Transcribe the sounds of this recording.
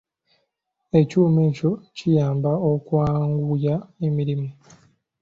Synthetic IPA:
e̞cuːme̞ːco̞cʰijaːmbaokwaːŋɡujaemiɾimi

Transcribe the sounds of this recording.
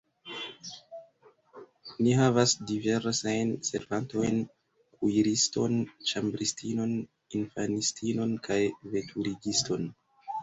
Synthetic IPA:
niɦavasdive̞ɾsajnse̞̰ɾvanto̞jn | kʰujɾisto̞̰nt͡ʃambɾistino̞n | infanistʰino̞nkʰajve̞tʰuɾiɡisto̞n

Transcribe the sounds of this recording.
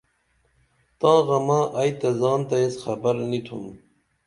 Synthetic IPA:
t̪ɑ̃ːɣɐmɑ̃ːʔajt̪ɐzɑːnt̪ɐesxɐbɐɾnit̪ʰṵm

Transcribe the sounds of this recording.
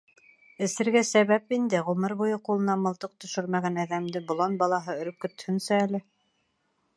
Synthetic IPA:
ɘ̆sɘ̆ɾɡæsæβæpind̪ɘʁɵ̆mɤɾβujɤqulˠɤ̆nɑmɤ̆lˠt̪ɤq̚t̪ɵ̆ʃɵɾmæɡænæðæmd̪ɘbŏlˠɑnbɑlˠɑɦɤɵ̆ɾɵp̚kɵ̆t̪hɵ̆nsæælɘ

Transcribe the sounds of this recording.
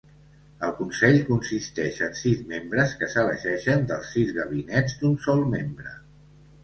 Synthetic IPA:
əlˠkunsɛʎkunsist̪ɛʃənsizmembɾəskəsəβə̰ʒɛʃənd̪əlˠsizɣəβ̞inɛd͡zd̪unsɔlˠmembɾə̰

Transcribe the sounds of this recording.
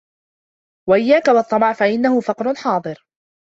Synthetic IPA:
waʔɪjːaːkawɑt̪ˤːɑmɑʕfaʔɪnːahʊfɑqɾʊħɑːd̪ˤɨɾ

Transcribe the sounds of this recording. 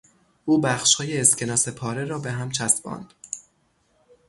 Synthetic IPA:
ʔuːbæxʃhɒːjeːscʰe̞nɒːse̞pʰɒːɾe̞ɾɒːbe̞ɦæmt͡ʃʰæst̪bɒ̰ːnd̪̥

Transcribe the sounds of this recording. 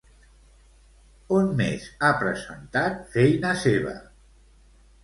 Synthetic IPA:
onmḛzapɾəzənt̪at̪̚fɛjnəseβ̞ə̰

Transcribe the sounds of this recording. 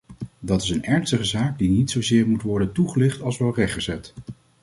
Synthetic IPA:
dɑtɪsənɛɹnstəχəzaːɡ̚dinitsowzɪːɹmutʋɔɹdəntuχəlɪχtɑlˠsʋɛlˠrɛχχəzɛt

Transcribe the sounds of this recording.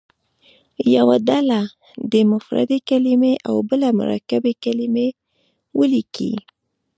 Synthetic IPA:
jawaɖala | d̪əmʊfɾa̰d̪ekalɪmeʔawbəlamʊ̰ɾa̰kabekalime | wəlikḭ

